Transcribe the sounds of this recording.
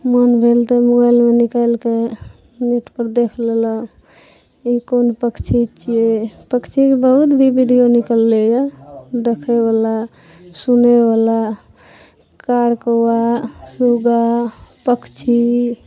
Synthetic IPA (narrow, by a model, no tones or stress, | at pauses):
mənbʱelt̪emobajlmenikalke | niʈpəɾd̪ekʰlelə | ikonpəkt͡ʃʰit͡ʃiepəkt͡ʃʰikebəɦut̪bʱibʱiɖijonikəlːejad̪ekʰeβala | sunebala | kaɾkowasuɡapəkt͡ʃʰi